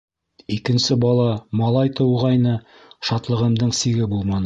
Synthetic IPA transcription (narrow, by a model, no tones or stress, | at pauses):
ikɘ̆nsɘbɑlˠɑmɑlˠɑjt̪ʰɤ̆wʁɑjnɤ | ʃɑt̪lˠɤ̆ʁɤ̆md̪ɤɴsiɡɘbulˠmɑn